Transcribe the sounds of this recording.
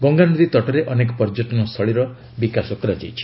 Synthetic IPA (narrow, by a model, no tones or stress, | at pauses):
ɡɔŋɡanud̪it̪ɔʈɔɾeʔɔnek̬ɔpɔɾd͡ʒoʈɔnɔst̪ʰɔɭiɾɔ | bikasɔkɔɾad͡ʒa̰jt͡ʃʰi̥